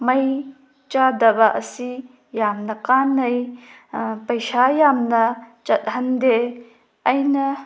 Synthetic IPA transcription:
mɐj | t͡ʃadɐbaʔɐsi | jamnɐkaːnɐj | pɐjsajamnɐt͡ʃɐt̚ɦɐnde | ʔɐjnɐ

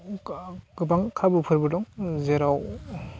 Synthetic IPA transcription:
ɡɯbaŋkʰabupʰɯɾbɯdɔŋzeɾaw

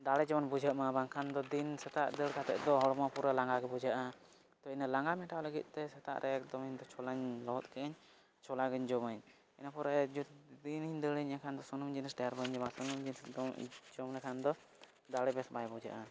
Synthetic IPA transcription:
d̪aɽɛd͡ʒɔɔnbud͡ʒʱəʔmabaŋkʰand̪ɔd̪insɛt̪aʔd̪əɽkat̪ɛ̰t̪̚d̪ɔɦɔɽɔmapuɾalaŋɡaɡɛbud͡ʒaʔa | t̪ɔinəlaŋɡamɛʈaləɡit̪̚ˀt̪ɛsɛt̪a̰ʔɾʔɛk̚d̪ɔmiɲd̪ɔt͡ʃʰɔlaɲlɔɔt̪̚kɛʔəɲ | t͡ʃʰɔlaɡəɲd͡ʒɔməɲ | ɛnapɔɾad͡ʒud̪iniɲd̪əɽəɲakʰand̪ɔsɔnumd͡ʒinsɖɛjaɾbəɲd͡ʒɔmasunumd͡ʒinsd̪d͡ʒɔmlɛkʰand̪ɔ | d̪aɽɛbɛsbajbud͡ʒa̰ʔa

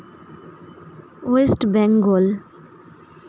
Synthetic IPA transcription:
wesʈbɛ̃ŋɡol

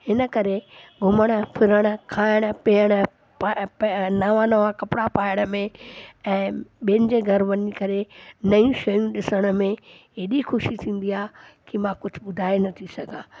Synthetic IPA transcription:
hɪnə̆kɐɾeɡʱʊməɽ̃ə̆pʰɪɾəɽ̃ə̆kʰaːɪɽ̃əpiəɽ̃ə | p | naʋãnɐʋãkɐpɪɽapaːɪɽ̃əmẽɛ̃ːɓẽːnɪ̆d͡ʑeɡʱɐɾʋɐɲikɐɾenɐjũʃɐjũɗɪsəɽ̃ə̆mẽeɗixʊʃit̪ʰĩːn̆d̪iaːkimãkʊd͡ʑʱʊ̆ɓʊd̪ʱaːenɐt̪ʰisɐɡʱãː

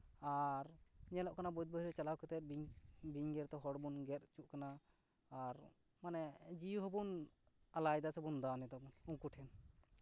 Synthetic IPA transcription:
aɾɲɛlɔʔkanabɔjt̪̚bəiɾɔt͡ʃalawkɛt̪ɛt̪̚biŋɡɛɾt̪ɔɦɔɽbunɡɛt̪̚t͡ʃuʔkanaː | ɾ | manɛd͡ʒijuɦɔbunalajd̪asɛbund̪anɛt̪abunuŋkuʈʰɛn

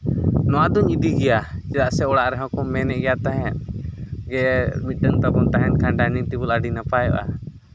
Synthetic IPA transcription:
nɔwad̪uɲid̪iɡɛjad͡ʒɛdaʔsɛɔɽaʔɾɛɦɔ̃kɔmːɛnɛʔɡɛjat̪aɦɛ̃t̪̚ɡɛmit̪̚ɗəŋt̪abɔnt̪aɦɛnkãɳɖanit̪ibulaɖinapajɔ̰ʔa̰

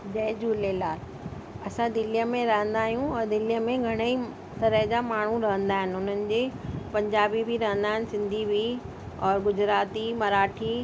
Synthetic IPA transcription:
d͡ʑɐːd͡ʑuːleːlaːɾ | ɐsãd̪ɪlijəmẽɾɐɦə̃nd̪aːɦijũɔːɾd̪ɪlijəmẽɡʱɐɽ̃i | t̪ɐɾəɦd͡ʑamaːɳ̤ũɾɐɦə̃nd̪aːɦɪnɪ̆ʊn̤ənɪ̆d͡ʑeːpɐ̃ɲd͡ʑaːbibʱiɾɐɦə̃nd̪aːɪnɪ̆sɪ̃nd̪ʱibʱi | ɔːɾɡʊd͡ʑɾaːt̪imɐɾaːʈʰi

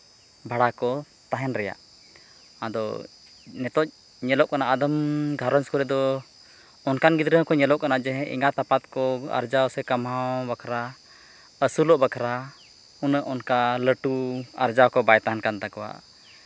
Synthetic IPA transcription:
bʱaɽakɔ | t̪aɦɛnɾɛja̰ʔ | ad̪ɔ̰ | nɛt̪ɔc̚ | ɲɛlɔʔkanaʔad̪əmɡʱaɾɔnskuɾɛd̪ɔ | ɔnkanɡid̪ɾəɦkɔɲɛlɔʔkanaʔd͡ʒɛɦɛ̃ʔḭŋɡat̪apat̪̚kɔa̰ɾd͡ʒawsɛkamawbakʰɾa | əsulɔʔbakʰɾa | unəʔɔnkaləʈuaɾd͡ʒawkɔbajt̪aɦɛnkant̪akɔwa̰ʔ

